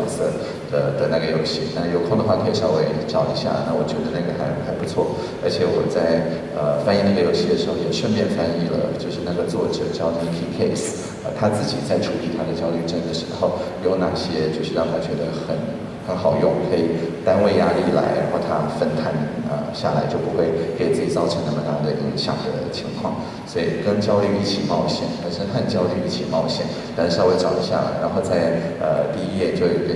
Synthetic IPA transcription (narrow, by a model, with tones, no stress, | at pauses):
sɤ˥˩ | d̪̥ə˩d̪ə˨na˥˩ɡə˩jo˧˥ʊɕi˥˩na˥˩jo˧˩ʊkʰʊ˥˩ŋd̪ə˩xwa˥˧˩kʰɤ˥i˨˩ʂjɑ˥˧ʊwe˧˥˩ɪʈ͡ʂɑ˥˩ʊḭ˧˥ɕja̰˥˩na̰˥˩wɔ˨˩t͡ɕɥɛ˧˥d̪ə˧na˥˩ɡə˩xa˧˥ɪu˥˩xa˧˥ɪpu˧˥t͡sʰwɔ̰˥˩ | ə˞˧˥t͡ɕʰjɛ˨˧˥wɔ̰˨˩t͡sa˥˩ɪ | ə˧fa˥ni˥˧na˥˩ɡə˩jo˧˥ʊɕi˥˩d̪ə˩ʂɻ̩˧˥xo˥˩ʊjɛ˨˩ʊʂwə˥˧npjɛ˥˩nfa˥ni˥˩lə̰˩t͡ɕjo˥˧ʊʂɻ̩˥˧na˥˩ɡə˩t͡swɔ˥˩ʈ͡ʂɤ̰˨˩t͡ɕjɑ˥˧ʊn˧˥˧pʰi˥kʰe˥˩ɪs | ə˧˩t̪ʰa˥t͡sɹ̩˥˩t͡ɕḭ˨˩t͡sa˥˩ɪʈ͡ʂʰu˧˥li˥˩t̪ʰa˥d̪ə˨t͡ɕjɑ˥ʊly˥˧ʈ͡ʂə˥˩d̪ə˩ʂɻ̩˧˥xo˥˧ʊjo˥˧ʊna˥˩ɕjɛ˥t͡ɕjo˥˧ʊʂɻ̩˥˧jɑ˥˧ʊt̪ʰa˥t͡ɕɥɛ˧˥d̪ə˧xə˨˩˦n | xə˧˥nxɑ˨˩ʊjʊ˥˩ŋkʰɤ˧˥i˨˩t̪a˥nwe˥˧ɪja˥li˥˩la̰˧˥ɪɻa̰˧˥xwɔ˥˩t̪ʰa˥fə˥nt̪ʰa˥˩nə̰˧ɕja̰˥˩la˧˥ɪt͡ɕjo˥˩ʊpu˧˥xwe˥˩ɪke˨˩ɪt͡sɹ̩˥˩t͡ɕi˨˩t͡sɑ˥˧ʊʈ͡ʂʰɤ˧˥ŋna˥˩mə˧na˥˩d̪ə˩ʔḭ˧˥ŋɕjɑ̰˨˩ŋd̪ə˦t͡ɕʰi˧˥ŋkʰwɑ̰˥˩ŋ | swɔ˧˥i˨˩kə˥nt͡ɕjɑ˥ʊly˥˧i˥˩t͡ɕʰi˨˩mɑ˥˧ʊɕjɛ̰˥˩nxə˥˩nʂə˥nxʰa˥˧nt͡ɕjɑ˥ʊly˥˧i˥˩t͡ɕʰi˨˩mɑ˥˧ʊɕjɛ̰˥˩na˥˧ʂ̩˧ʂʊwe˥˩ɪʈ͡ʂɑ˨˩ʊd̪ə˧˦ɕja̰˥˩la̰˧˥ɪɻa˧˥nxo˥˧ʊt͡sa˥˧ɪə̰˧t̪i˥˧i˥jɛ˥˩t͡ɕjo˥˧ʊ˥˩